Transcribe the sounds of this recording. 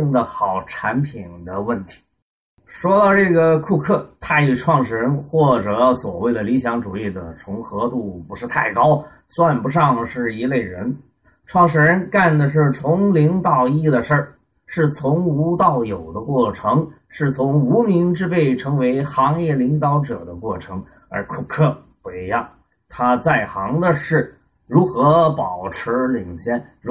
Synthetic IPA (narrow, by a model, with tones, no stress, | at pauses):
i˥˧ŋd̪ə˨xɑ˨˩ʊʈ͡ʂʰa˧˥npʰi˨˩nd̪ə˦wə˥˩nt̪ʰi̥˧˥ | ʂwɔ˥d̪ɑ˧ʈ͡ʂɤ˥˩ɡə˩kʰu˥˧kʰɤ˥˩t̪ʰa˥˩ny˥˩ʈ͡ʂʰwɑ˥˧ŋʂɻ̩˥˩ɻə˧˥nxwɔ˥˩ʈ͡ʂɤ˨˧˩swɔ̰˨˩we˥˩ɪd̪ə˩li˧˥ɕjɑ˧˥ŋʈ͡ʂu˨˩i˥˩d̪ə̰˩ʈ͡ʂʰʊ˧˥ŋxɤ˧˥t̪u˥˩pu˧˥ʂɻ̩˥˧t̪ʰa˥˩ɪkɑ˥ʊ | swa˥˩npu˧˥ʂ̬ɑ˥˧ŋʂɻ̩˥˩i˧˥le˥˩ɪɻə˧˥n | ʈ͡ʂʰwɑ˥˩ŋʂɻ̩˥˩ɻə˧˥nka˥˩nd̪ə˩ʂ̬ɻ̩˥˩t͡sʰʊ˧˥ŋli˧˥ŋt̪ɑ˨˩ʊi˥˩d̪ə˩ʂə˞˥˩ | ʂɻ̩˥˩t͡sʰʊ˧˥ŋu˧˥t̪ɑ˥˩ʊjo˨˩ʊd̪ə˦kwɔ˥˩ʈ͡ʂʰɤ˧˥ŋ | ʂɻ̩˥˩t͡sʰʊ˧˥ŋu˧˥mi˧˥ŋʈ͡ʂɻ̩˥˧pe˥˩ɪʈ͡ʂʰɤ˧˥ŋwe˧˥ɪxɑ˧˥ŋjɛ˥˩li˧˥ŋt̪ɑ˧˥ʊʈ͡ʂɤ̰˨˩d̪ə˦kwɔ˥˩ʈ͡ʂʰɤ˧˥ŋ | ə̰˞˧˥kʰu˥˩kʰɤ˥˧ | pu˧˩i˧˥jɑ˥˩ŋ | t̪ʰa˥t͡sa˥˩ɪxɑ˧˥ŋd̪ə˧ʂɻ̩˥˩ | ɻu˧˥xɤ˧˥pɑ˨˩ʊʈ͡ʂʰɻ̩˧˥li˨˩ŋɕjɛ˥˩n˧˥